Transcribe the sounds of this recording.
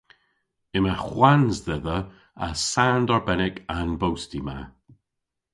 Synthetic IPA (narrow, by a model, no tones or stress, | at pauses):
ɪmaxwanzðɛðə | a̰sːandɔɹbɛnɪkʰanbowstima